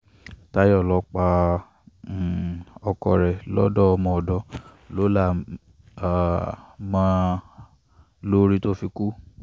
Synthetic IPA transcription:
ta˦jɔ˦˨lɔ˨˦k͡pa˧˨ | ɔ˧kɔ˧˨ɾɛ˨lɔ̰˦dɔ˦ɔ˧mɔ̃˧ɔ˨dɔ˧ | lo˨˦la˦˨ | a˨mã˦ | lo˦ɾi˦to˦fi˧ku˦

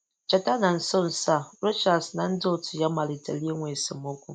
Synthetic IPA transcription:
t͡ʃa˨ta˦na˨n̩˨˦so˦˨n̩˨sa˦ɾo˦t͡ʃa˨sna˦n̩˦do˦˨tu˨ja˦ma˨li˨ta̰˨le˦ŋʷe˨sɨ˨mo˦ku˨

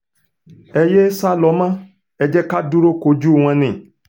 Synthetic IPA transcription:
e˨jɛ˦sa˦lɔ˨˦mã˦ | ɛ˨d͡ʒɛ˦ka˦du˦ɾo˦ko˨˦d͡ʒu˦˨ŋ̃ã˦nḛ̃˨

